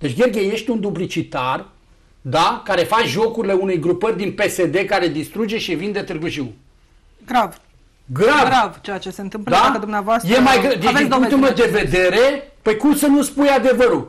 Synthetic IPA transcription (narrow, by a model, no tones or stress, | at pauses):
d̪e̞t͡ʃʲɡʲerɡʲeje̞ʃt̪ʲund̪ublit͡ʃit̪ar | d̪akaɾe̞fat͡ʃʒo̞kuɾile̞unejɡɾupərʲd̪inpe̞sed̪e̞kaɾe̞d̪ist̪ɾud͡ʒe̞ʃivind̪e̞t̪ɨrɡɨʒiw | ɡɾav | ɡɾavɾavt͡ʃejat͡ʃeseɨnt̪ɨmpləd̪akəd̪umnavoast̪jemajɡd̪ivet̪imed̪eve̞d̪e̞ɾe̞pəjkumsənuspujad̪e̞vəɾu